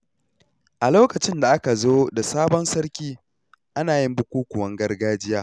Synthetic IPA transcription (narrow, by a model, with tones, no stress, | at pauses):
ʔa˨loː˦kɐ˨t͡ʃɪ˦nda˨ʔa˦ka˨zoː˦da˨saː˦bɔ˦nsɐ˦ɽkʲiː˦ | ʔa˦naː˨jɪ˦mbʊ˦kʷuː˦kʷʊ˨wɐ˦ŋɡɐ˦rɡaː˦d͡ʒɪ˦jaː˦